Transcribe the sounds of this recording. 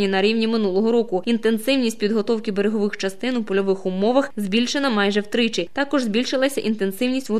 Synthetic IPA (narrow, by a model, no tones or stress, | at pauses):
inɐɾʲiwnʲimɪnulˠɔɦɔɾɔkʊint̪ensɪwnʲisʲt̚ʲpʲid̪ɦɔt̪ɔwkɪbeɾeɦɔʋɪxt͡ʃɐst̪ɪnupɔlʲɔʋɪxʊmɔʋɐxzʲbʲilʲʃenɐmɑjʒɛwt̪ɾɪt͡ʃɪt̪ɑkɔʒzbʲilʲʃɪlˠɐsʲɐʔint̪e̞nsɪwnʲisʲtʲʋɔ